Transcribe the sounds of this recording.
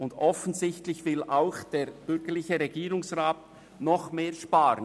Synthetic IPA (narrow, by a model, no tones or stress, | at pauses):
ʊndɔfənzɪçtlɪçvɪlʔaʊxd̥eːɾb̥ʏɾɡ̥əlɪçəɾɛɡiːɾʊŋsʁaːt̚ | nɔχmeːʃpaːɾə